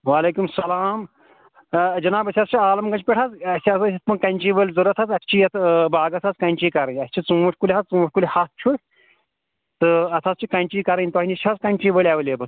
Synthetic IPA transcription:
ʋaːleːkumsɐlaːm | d͡ʒɐnaːbɐsʲast͡ʃʰiaːlɐmkɐt͡ʃʰʲpʲeʈʰat͡sɐsʲassʲit̪̚pɐnkɐnʲt͡ʃiːʋəlʲzɐɾɐt̪ʰat͡sɐsʲt͡ʃʰijɐt̪ʰbaːɡɐsʰat͡skɐnʲt͡ʃiːkɐɾɐnʲɐsʲt͡ʃʰit͡sɨuʈʰʲkulʲiɦat͡st͡sɨ̃ɐʈʰʲkulʲhat̪̚t͡ʃʰu | t̪ɨɐt̪ʰaːt͡st͡ʃʰikɐnʲt͡ʃiːkɐɾɐnʲt̪aːnʲit͡ʃʰat͡skɐnʲt͡ʃiːʋəlʲaʋlebɐt͡s

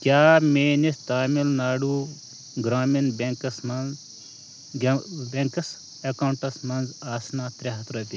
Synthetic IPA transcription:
kʲjaːmeːnist̪aːmilnaːɖuː | ɡɾaːminbeŋkɐsmɐnz | beŋkɐs | ɐkawɳʈɐsmɐnzaːsnaːt̪ɾʲeɦɐt̪ɾɐbʲi

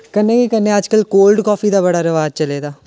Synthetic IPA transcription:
kənːẽkikənːẽɐd͡ʒkəlkoːlɖkɔːfiːd̪aːbəɽaːɾɐʋaːd͡ʒt͡ʃəleːd̪aː

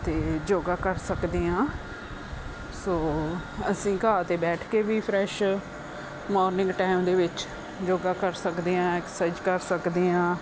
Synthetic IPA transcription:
t̪eːd͡ʒoːɡaːkəɾsəkd̪iːãː | soːəsĩːkaːt̪eːbɛːʈʰkeːʋiːpʰɾɛʃ | mɔːɾnɪ̃ŋɡʈaːɪmd̪eːʋɪt͡ʃ | d͡ʒoːɡaːkəɾsəkd̪iːãːɪksəd͡ʒkəɾsəkd̪iːãː

